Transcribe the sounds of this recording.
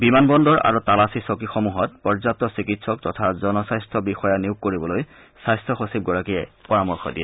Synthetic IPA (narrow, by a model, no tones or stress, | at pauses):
bimanbɔndɔɹa̰ɹutalasisokixɔmuɦɔtpɔɹzap̚tɔsikitsɔk̚tɔtʰazɔnɔsajstʰɔbixɔjaniʊkːoɹibɔloj | sajstʰɔxosib̚ɡɔɹakijɛ̰pɔɹamɔɹxʰɔ̰dijɛ